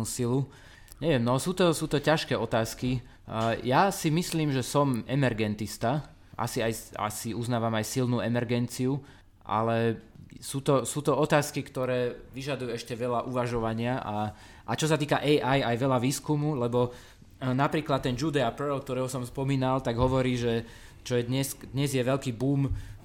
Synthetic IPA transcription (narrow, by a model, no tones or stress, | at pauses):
uːsilu | ɲɛʋɪɛmnɔalsuːt̪ɔsuːt̪ɔcaʃkɛːɔt̪aːski | jasimisliːmʒɛsɔmɛmɛɾɡɛnt̪ist̪a | ʔa̰siaja̰siuznaːʋamajsilnuːɛmɛɾɡɛnt͡siu | ʔa̰lɛsuːt̪ɔsuːt̪ɔɔt̪aːskikt̪ɔɾɛːʋiʒad̪ujuɛʃcɛʋɛʎaʔuʋaʒɔʋaɲɪaʔa | ʔat͡ʃɔsat̪iːkaʔɛʔajajʋɛlaʋiːskumulɛbɔ | napɾiːklat̪ːɛnd͡ʒud̪ɛapɛɾɛlk̚t̪ɔɾɛːɦɔsɔmspɔmiːnalt̪aɡɦɔʋɔɾiːʒɛ | t͡ʃɔjɛd̪ɲɛskd̪ɲɛzjɛʋɛʎkiːbuːm